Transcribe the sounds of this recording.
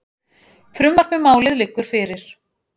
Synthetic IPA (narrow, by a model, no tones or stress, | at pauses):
fɾʏmːaɾ̥kmɪmaːwlɪðlɪkːʏɾ̥fɪɾɪɾ̥